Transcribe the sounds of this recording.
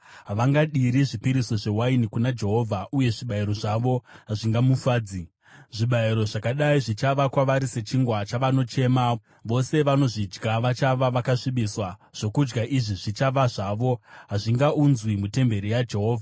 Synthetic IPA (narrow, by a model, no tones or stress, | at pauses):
ɦaʋaŋɡaɗiɾiʐipiɾiso̞ʐe̞wainikunad͡ʒe̞ɦo̞ːvʱaʔuje̞ʐiɓaiɾo̞ʐaʋo̞ɦaʐiŋɡamufaːd͡zi | ʐiɓaiɾo̞ʐakaɗaiʐit͡ʃaʋakwaʋaɾise̞t͡ʃiŋɡwat͡ʃaʋano̞t͡ʃe̞ma | ʋo̞se̞ʋano̞ʐid͡ʒɡaʋat͡ʃaʋaʋakaʂimɓiswaʐ̥o̞kud͡ʒɡaʔiʐiʐit͡ʃaʋaʐaʋo̞ɦaʐiŋɡaunzwimute̞mbe̞ɾijad͡ʒe̞ɦo̞ːvʱa